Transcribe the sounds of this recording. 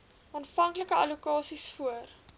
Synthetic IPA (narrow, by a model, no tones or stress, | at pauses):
ɑnfɐŋkləkəɐlukɑːsisfuər